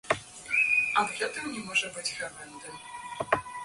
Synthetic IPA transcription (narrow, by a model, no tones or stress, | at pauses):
ɐd̪ɣɛt̪ɨmnʲɛmɔʐɐbɨt͡sʲxamɛnd̪ɨ